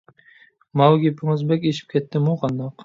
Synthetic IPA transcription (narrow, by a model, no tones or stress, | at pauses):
mɑwɡʲepʰɪŋɪzbɛkʲeʃi̥p̚kʲʰɛt̪ʰːɪmuqʰɑnd̪ɑq